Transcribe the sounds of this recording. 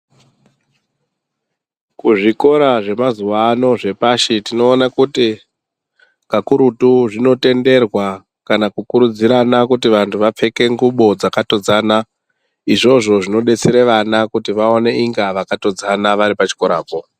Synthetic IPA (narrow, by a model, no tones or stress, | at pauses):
kuʐiko̞ɾaʐe̞mazuʋaːno̞ʐe̞paʃitino̞ːnakuti | kakuɾutuʐino̞te̞nde̞rwa | kanakukuɾud͡ziɾanakutiʋantʰuʋap͡fe̞ke̞ŋɡuɓo̞d͡zakato̞d͡zaːna | iʐo̞ʐo̞ʐino̞ɗe̞t͡seɾeʋanakutiʋaone̞ʔiŋɡaʋakato̞d͡zanaʋaɾipat͡ʃi̥ko̞ɾa̰ːpo̞